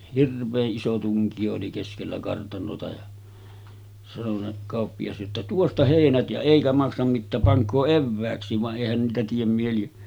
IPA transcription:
hirʋˑeːʔ ʔiso tuŋkij̆o oli keskelːæ kɑrtɑnotɑ jɑ sɑno se kɑˑopːijɑs jotːɑ tuostɑ heˑinæt jæ eˑikæ mɑksɑm mitːæːp pɑŋkˑoː eʋːæːksˑiːʋ ʋɑʔ ʔeˑihæn niːtæ tiem mieli

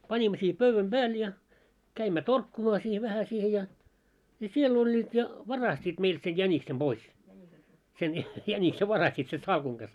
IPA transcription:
pɑnʲimːo siːhĕ pøʋːæm b̥æːl jɑ kæimːæ torkːumɑː siːh ʋæhæ siːhe jɑ jɑ siel olʲːiːt jɑ ʋɑrɑstiːt meilt sej jæniksem b̥ois sen jænikse ʋɑrɑstit sen sɑlkuŋ ɡ̊ɑs

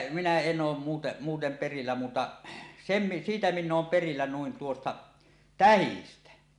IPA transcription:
minæ en oːm muːte muːtem perilːæ muːtɑ sem mi siːtæ minː oːm perilːæ nuin tuostɑ tæhistæ

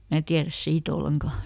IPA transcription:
mæː tiæræs siːt olːeŋkɑˑ

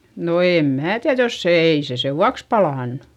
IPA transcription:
no eˑm mæː tiæð jos se ei se seʋːuɑks pɑlɑˑnːu̥

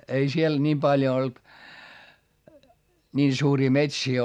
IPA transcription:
ei siel niːm pɑljo olt nʲiːn suːriː metsiː

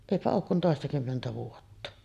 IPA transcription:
eˑipæ oːk kun toˑestɑkymːentæ ʋuotːɑ

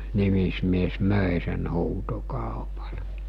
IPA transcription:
nimismies møˑe sen huːtokɑˑopɑlɑ̥

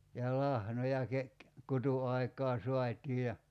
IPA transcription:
jɑ lɑhnojɑ ke kutuɑikˑɑː so̝ɑtʲiː jɑ

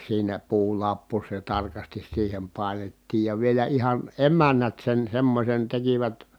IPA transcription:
siːnæ puːlɑpːu se tɑrkɑstis siːhem pɑˑi̯netːiːj jɑ ʋielæ ihɑn emænːæt sen semːosen tekiʋæt

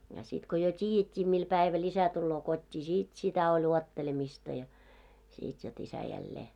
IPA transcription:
jɑ sit ko jo tʲiːjetʲːiː mil pæiʋæl isæ tulːoː kotʲːiː sit sitæ olʲ uotːelemistɑ jɑ sit jot isæ jælːeː

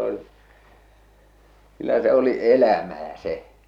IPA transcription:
on kylːæ se oli elæmæː se

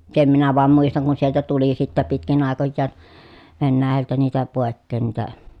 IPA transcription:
sem minæ ʋoɑm muistɑŋ kun sieltæ tuli sitːæ pitkin ɑˑekojːɑːn ʋenːæːjæltæ niːtæ poˑekːeːn niːtæ

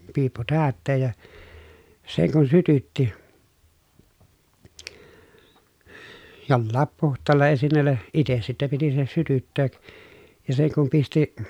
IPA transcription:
piːpːu tæːtːeːj jɑ seŋ kun sytytːi jolːɑːp puhtˑɑːlːɑ esinːeˑlːæ ites sitːe piti se sytytːeːk jɑ seŋ kum pisti

